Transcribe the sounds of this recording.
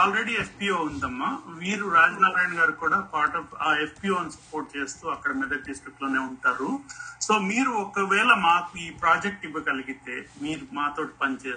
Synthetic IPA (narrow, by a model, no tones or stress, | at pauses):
aːlɾe̞ɽiepʰpiːoːund̪ɐmːaʋiːɾuɾaːd͡ʒnaːɾaːjnɡaːɾukuːɽaːpaːɾʈɐfepʰpiːoːnsɐ̥po̞ːɾʈ̚t͡ʃe̞ːst̪uːɐkːɐɽɐmɛd̪ɐk̚ɖisʈɾiklo̞ːne̞ːuɳʈaːɾuso̞ːmiːɾuɔkɐʋɛːlɐmaːkuiːpɾaːd͡ʒek̚ʈiʋːɐkɐliɡit̪e̞ːmiːɾumaːt̪o̞ːʈi̥pɐnt͡ʃeː